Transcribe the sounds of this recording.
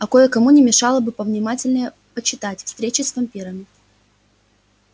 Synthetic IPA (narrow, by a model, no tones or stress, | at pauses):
ɐkojəkɐmunʲɪmʲɪʂɑlˠəbɨpəvnʲɪmatʲɪlʲnəjə | pət͡ɕːɪt̪atʲfst̪ɾʲet͡ɕɪsvɐmʲpʲiɾəmʲɪ